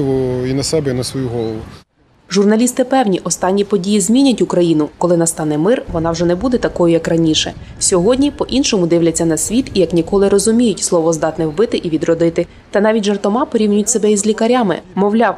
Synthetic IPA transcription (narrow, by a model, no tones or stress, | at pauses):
ʋɔinɐsɛbɛinɐsʋɔjuɦɔlˠɔʋʊ | ʒʊrnɐlʲist̪ɪpɛwnʲiʔɔst̪ɑnʲːipɔdʲijizʲmʲinʲɐtʲʊkɾɐjinʊkɔlˠɪnɐst̪ɑnɛmɪrʋɔnɑwʐɛnɛbud̪ɛt̪ɐkɔjʊjɐkrɐnʲiʃɛ̰ | sʲɔɦɔdʲnʲipɔʔinʃɔmʊd̪ɪwlʲɐt͡sʲːɐnɐsʲʋʲit̪ijɐknʲikɔlˠɪɾɔzʊmʲijʊtʲslˠɔʋɔzd̪ɑt̪nɛwbɪt̪ɪʔiʋʲid̪rɔd̪ɪt̪ɪ | t̪ɐnɑʋʲitʲʒɐrt̪ɔmɑpɔɾʲiwnʲʊjʊtʲsɛbɛizʲlʲikɐɾʲamɪ̰mɔwlʲɑw